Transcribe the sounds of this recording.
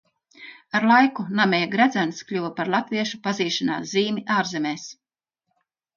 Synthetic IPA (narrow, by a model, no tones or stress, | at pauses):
aɾlˠajkunamʲɛjaɡɾæd̪zænsklʲuvapaɾlˠat̪viɛʃupaziːʃana̰ːsziːmiʔaːɾzemʲeːs